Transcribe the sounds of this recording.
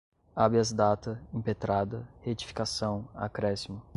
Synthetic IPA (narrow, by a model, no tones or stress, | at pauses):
abiɐzd̪at̪ɐẽpet̪ɾad̪ɐhet͡ʃi̥fi̥kasɐ̃w̃a̰kɾɛsimʊ